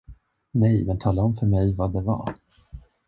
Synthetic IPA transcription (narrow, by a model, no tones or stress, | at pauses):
nɛjmɛnt̪ʰɑːlːahʊnfœɾmɛjvad̪ɛva̰